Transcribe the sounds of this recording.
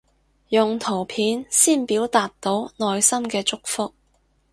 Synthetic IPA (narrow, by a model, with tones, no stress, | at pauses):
jʊ˨ŋt̪ʰo˨˩wpʰiː˨˥nsiː˥˩npiː˨˥wt̪aː˨t̪ːo˨˥wnɔː˧jsɐ˥mkɛː˧t͡sʊ˥k̚fʊ˥k̚